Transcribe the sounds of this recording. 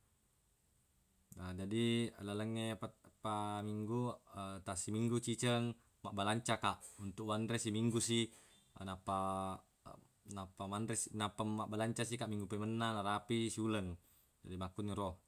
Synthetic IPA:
əd͡ʒadilaləŋːepapamiŋɡuət̪asimiŋɡut͡ʃit͡ʃəŋ | maʔbalaɲt͡ʃakaʔunt̪ukwandɾesimiŋɡusi | napa | napamanɾesinapamːaʔbalaɲt͡ʃasikaʔmiŋɡupɛmənːanaɾapisuləŋ | d͡ʒadimakuniɾɔh

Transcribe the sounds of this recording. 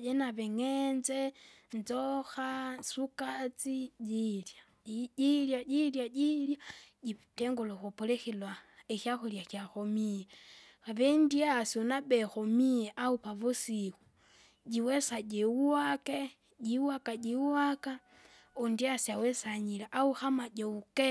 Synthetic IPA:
jenaβeŋenzenzoxasukat͡siɟilja | ɟiljaɟiljaɟiljaɟiteŋɡoloxupolexilwaexjaxuljaxjaxomije | aβendiasonabexomijeʔaupaβusixu | ɟiwesaɟewuwake | ɟiwakaɟiwaka | ondiasiawesaɲileʔauxamaɟeuke

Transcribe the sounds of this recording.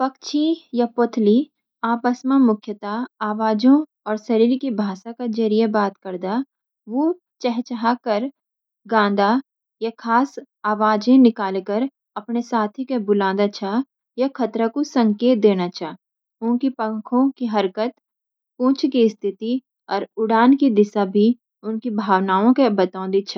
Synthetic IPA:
pɐkt͡ʃʰĩjapot̪ʰli | aːpəsmamʊkʰjət̪aaːʋaːd͡ʒõ | ɔːɾsɐɾiːɾkibʱaːʃakad͡ʒɐɾijebaːt̪kəɾd̪a | ʋo | t͡ʃɛɦt͡ʃɦakəɾ | ɡãːn̆d̪ʱa | jakʰaːs | aːʋaːd͡ʒẽnɪkaːlkəɾ | ɐpnesaːt̪ʰikebʊlãːd̪at͡ʃʰa | jakʰɐt̪ɾakosə̃ŋkeːt̪̚d̪eːnat͡ʃʰaːɦ | ʊ̃nkipə̃ŋkʰõkiɦɐɾkət̪ | pũːt͡ʃʰkist̪ʰɪt̪i | ɔːɾʊɽaːnkid̪ɪʃabʱi | ʊnkibʱaːʋnaːõkebɐt̪ãːnd̪it͡ʃʰa

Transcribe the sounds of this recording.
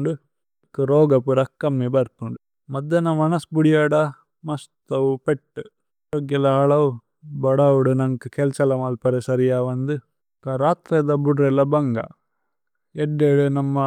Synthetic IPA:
ɳɖu | kuɾoːɡɐpuɾɐkːɐmːibɐɾt̪uɳɖu | mɐd̪ːɐnɐmɐnɐsbuɽijaːɽɐ | mɐst̪ɐʋupeʈːu | oɡjɐlɐɦɐɭɐʋ | bɐɽɐwuɽunɐŋkɨkelt͡ʃɐlɐmaːlpɐɾesɐɾijaːʋɐnd̪u | kaɾaːt̪ɾed̪ɐbuɖɾelːɐbɐŋɡɐ̰ | eɖːeɽunɐmːɐ

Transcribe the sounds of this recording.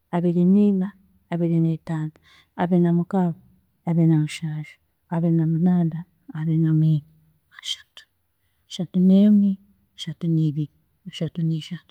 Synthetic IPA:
aβeɾinimaː | beɾinet̪ant̪ḁ | abenamukaba | abenamuʃaʃi̥ | aβenamunadaː | βenami | aʃḁt̪u̥ | ʃat̪uneumi | aʃat̪unibi | aʃat̪uniʃat̪

